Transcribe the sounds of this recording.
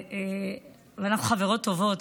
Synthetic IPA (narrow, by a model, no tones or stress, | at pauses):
e | veanaχuχaveʁo̞tːo̞vo̞t̪